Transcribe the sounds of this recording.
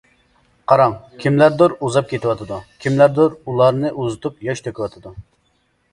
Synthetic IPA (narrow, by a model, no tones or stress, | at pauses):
qʰɑɾɑŋkʲʰimlæɾd̪oɾuzɑp̚kʲʰet̪ɪwɑt̪ʰɨd̪ukʲʰimlæɾd̪oɾulˠɑɾnɨʔuzɨt̪upjɑʃt̪ʰøkʲʰiwɑt̪ʰɨd̪u